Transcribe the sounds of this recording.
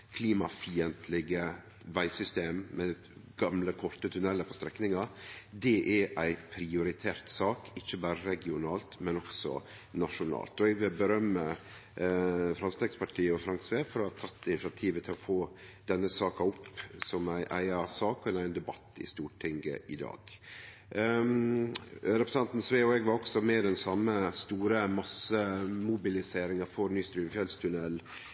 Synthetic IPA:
kʰliːmɑfiːənt̪ʰlɪɡə | ʋæɪsʏst̪eːmmɛ | ɡ̥ɑmləkʰɔɾt̪ət̪ʰʉnɛlːəpʰɔst̪ɾɛknɪŋɑd̪ɛʔæʔæɪpʰɾɪʊɾɪt̪ʰeːɾt̪sɑːkɪçːəbɑːɾəɾɛɡɪʊnɑːlt̪mɛnɔksɔ̰ | nɑʂʊnɑ̰ːlt̪ɔɛɡʋɪlbəɾœmːə | fɾɑmst̪eːɡspʰɑʈʰiːəɔfɾɑŋsʋeːfɔɾɔhɑt̪ʰɑt̪ːɪnɪt͡ʃɑt̪ʰiːʋət̪ʰɪlɔfoː | d̪̥ɛnːəsɑːkɑɔpsɔmæɪʔæ̰ɪɑsɑːkʰɔnæɪnd̪ɛbɑt̪ːɪ̰st̪uːʈʰɪŋɡə̰ʔɪd̪ɑ̰ːɡ̥ | ɾɛpɾəsɑnt̪n̩sʋeːɔɛɡʋɑɾɔksɔmɛd̪ɛnsɑmːəst̪uːɾəmɑsəmʊbɪlɪseːɾɪŋəɾfɔɾnyːst̪ɾyːmfjɛlst̪ʰʉnɛlː

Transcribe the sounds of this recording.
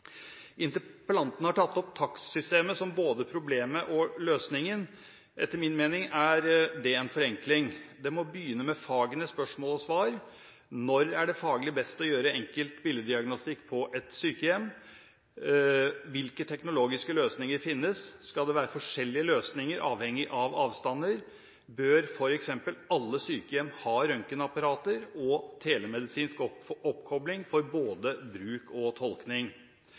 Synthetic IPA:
ʔɪnt̪əpəlɑnt̪ən̩əhɑʈʰɑt̪ːɔp̚t̪ʰɑkssʏst̪eːməsɔmboːd̪əpʰɾʊbleːməʔɔløːsnɪŋən | ʔɛ̰t̪ʰːəɾmɪnmeːnɪŋæɾd̪ɛɛnfɔɾɛŋklɪŋd̪ɛmɔbjyːnəmɛfɑːɡənəspœʂmoːlɔsʋɑːɾ | nɔɾæɖɛfɑːɡlɪbɛst̪ɔjøːɾəɛŋkəlt̪bɪləd̪ɪɑɡnʊst̪ɪkːpʰɔʔɛt̪syːkəjɛmː | ʋɪlkət̪ʰɛknʊloːɡɪskəløːsnɪŋəɾfɪnːəsskɑld̪ɛʋæːɾəfɔʂɛlːɪəløːsnɪŋəɾʔɑːʋhɛŋːɪʔɑʋɑːʋst̪ɑnːəɾ | bøːɾfɔɾɛksɛmpəlɑlːəsyːkəjɛmːhɑːɾœŋkənɑpɑɾɑːt̪əɾɔt̪ʰeːlɛmɛd̪ɪsiːnskɔpkʰɔblɪŋfɔɾboːd̪əbɾʉːkʰɔt̪ʰɔlknɪŋ

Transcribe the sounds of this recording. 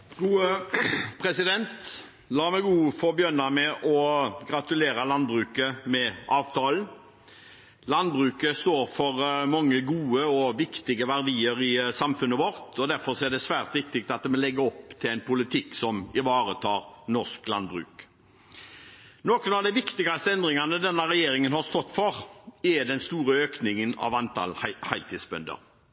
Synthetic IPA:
ɡuːəpʰɾɛsɪd̪ɛnt̪ | lɑːmɛɪɡuːfɔɾbjœnɑmɛʔɔɡɾɑt̪ʉleːɾɑlɑnbɾʉːkəmɛɑːʋt̪ʰɑːln | lɑnbɾʉːkəst̪oːɾfɔɾmɑŋːəɡuːəɔʋɪkt̪ɪɡəʋæʁd̪iːəɾɪsɑmfʉnːəʋɔɾt̪ʰɔd̪æɾfɔɾsɔæʁd̪ɛsʋæːʁt̪ʋɪk̚t̪ɪk̚t̪ɑt̪̚ɛmɔlɛɡːəɔpt̪ʰɪlɛɪnpʰʊlɪt̪ʰɪksɔmɪʋɑːɾət̪ʰɑːɾnɔʁsklɑ̰nd̪bʁʉ̰ːk | noːkənɑʋd̪ɛʋɪkt̪ɪɡɑst̪əɛnd̪ɾɪŋɑnəd̪ɛnːɑʁɛjeːɾɪŋənhɑɾst̪ɔt̪ːfɔʁɛd̪ɛnst̪uːɾəøːknɪŋənɑ̰ʋɑnt̪ʰɑ̰læhɑɪlt̪ʰiːd̪sbœnd̪ə̰ɾ

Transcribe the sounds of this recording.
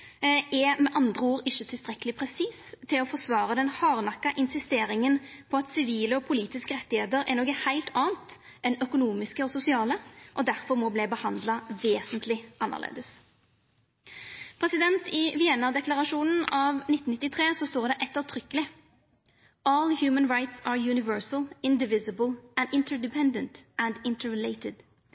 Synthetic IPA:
ɛmɛʔɑnd̪ʁəuːɾɪʃət̪ʰɪlst̪ʁɛkəlɪpʰʁɛsiːst̪ʰːɪlɔfɔʁsʋɑːʁəd̪ɛnhɑːʁnɑkːɑʔɪnsɪst̪eːɾɪŋənpʰɔɑt̪sɪʋiːləɔpʰʊliːt̪ɪskəʁɛt̪ːɪheːt̪əɾɛ̰ʁnɔɡəhæɪlt̪ʰɑːnt̪ | ɛnœkʊnuːmɪskəɔsʊsɪɑːləʔɔd̪æʁfɔʁmɔblɛːbəhɑnd̪lɑʋeːsənt̪ʰlɪʔɑnːə̰lḛːd̪əs | pʰʁɛsɪd̪ɛnt̪ʰɪʋɪɛnɑd̪ɛklɑʁɑʃuːnən̩ɑʋnɪt̪ːn̩ɪt̪ːɪt̪ʰʁeːsɔst̪oːʁd̪ɛʔɛt̪ːəʁt̪ʰʁʏkːəlɪ | ɔːlˠhjʉːmənɹaɪt̪sɑːɹjʉːnɪʋɜɹsəl̩ɪnd̪ɪʋɪzəbəlæ̃nd̪ɪnt̪əɹd̪ɪpʰɛ̃nd̪ənt̪ənd̪ɪnt̪ʰəɹɛleɪt̪ɪd̪̥

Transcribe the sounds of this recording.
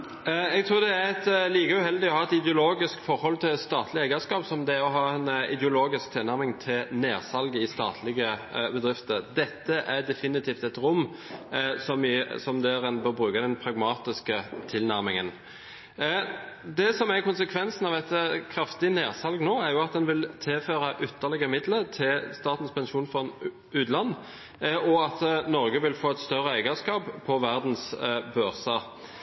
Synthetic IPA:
ɛɡ̚t̪ʰɾuːd̪ɛæɾɛt̪liːkəʉhɛld̪ɪɔhɑːɛt̪ɪd̪ɛʊloːɡɪskfɔɾhɔlt̪ʰɪlst̪ɑːt̪ʰlɪɛɡəskɑːpsɔmd̪ɛæɾɔɦɑːɛnɪ̰d̪ɛʊloːɡɪsk̚t̪ʰɪlæɾmɪŋt̪ʰɪlneːɾsɑlɡəɪst̪ɑ̰ːt̪ʰlɪɡəbəd̪ɾɪft̪əd̪ɛt̪ːəʔæd̪ɛfɪnɪt̪ʰiːft̪ɛt̪ɾʊmː | sɔmɪsɔmd̪æɾɛnbəbɾʉːkəd̪ɛnpʰɾɑɡmɑːt̪ɪskət̪ʰɪlnæʁmɪŋən | d̪ɛsɔmæɾkʊnsəkʰʋɛnsn̩ɑʋɛt̪kʰɾɑft̪ɪneːʁsɑlɡnoːæɾjʊɑt̪̚d̪ɛnʋɪlt̪ʰɪlføːɾɑʔʏt̪ːəʁlɛɡəmɪd̪lət̪ʰɪlst̪ɑːt̪n̩spʰɛnʃuːnfɔn | ʉːd̪lɑnː | ɔɑt̪nɔʁɡəʋɪlfoːɛt̪st̪œɾːəæɪɡəskɑːppʰːɔʋæʁd̪n̩sbøːʁsɑ

